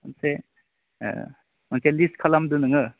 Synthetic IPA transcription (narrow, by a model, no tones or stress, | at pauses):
ɐnsḛ | mɐnseliskʰɐlamdunɯŋɯ